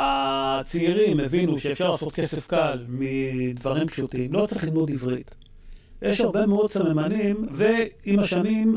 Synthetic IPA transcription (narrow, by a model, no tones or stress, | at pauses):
at͡siiʁimevinuʃeefʃaʁlaːso̞t̚ke̞sefkalmid̪vaʁimpʃutimlo̞t͡saʁeχlidmodivʁit | jʔeʃhaʁbe̞meod̪̚samemanimveimaʃanim